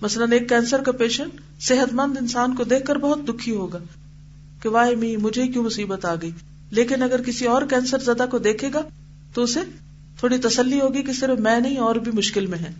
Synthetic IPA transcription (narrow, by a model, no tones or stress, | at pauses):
mɐsləneːkːɛ̃ːnsəɾkapeːʃən | sɪɦət̪mɐ̃nd̪ɪnsaːnkod̪eːkʰːəɾbɐɦʊt̪̚d̪ʊkʰːiɦoːɡaː | keʋaːɦimĩːmʊd͡ʒʱeikjũːmʊsiːbət̪aːɡɐiː | leːkɪnɐɡəɾkɪsiɔːɾkɛ̃ːnsəɾzɐd̪akod̪eːkʰeːɡaː | t̪oʊse | t̪ʰoːɽit̪ɐsəlːiɦoːɡikesɪɾfmɛ̃ːnɐɦĩɔːɾbʱimʊʃkɪlmẽɦɛ̃ː